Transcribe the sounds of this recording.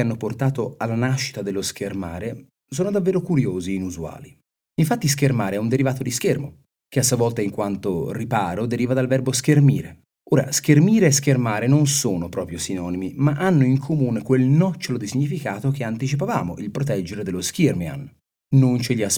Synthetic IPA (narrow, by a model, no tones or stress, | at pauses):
anːoport̪aːt̪oalːanaʃːi̥t̪ad̪elːoskʰermaːɾe | soːnod̪avːeːɾokuɾjoːziːnuzua̰ːli | iɱfat̪ːiskermaːɾeɛund̪eɾivaːt̪od̪iskermo | k̟easːuavɔlt̪aiŋkwant̪oripaːɾod̪eɾiːvad̪alvɛrboskermḭːɾe | oːɾa̰skermiːɾeːskermaːɾenonsoːnopɾɔːpɾjosinɔːnimimaʔanːoiŋkʰomuːnekwelnɔt͡ʃːolod̪isiɲːifikaːt̪ok̟eant̪it͡ʃip̬avaːmoʔilpɾot̪ɛd͡ʒeɾed̪elːoskermia̰n | nont͡ʃeʎias